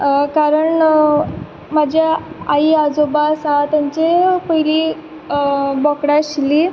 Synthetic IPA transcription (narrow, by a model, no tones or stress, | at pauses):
kaɾəɳ | mad͡ʑʱjaaiad͡zobasat̪jaɲt͡ɕefojliː | bɔkɽaɕili